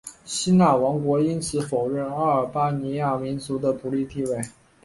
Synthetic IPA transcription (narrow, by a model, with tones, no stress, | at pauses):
ɕi˥na˥˩wɑ˧˥ŋkwɔ˧˥i˥nt͡sʰɹ̩˧˥fo˨˩ʊɻə˥˩na˥ə˞˨˩pa˥ni˧˥ja˥˩mi˧˥nt͡su˧˥d̪ə˧pu˨˧˥li˥˧t̪i˥˧we˥˩ɪ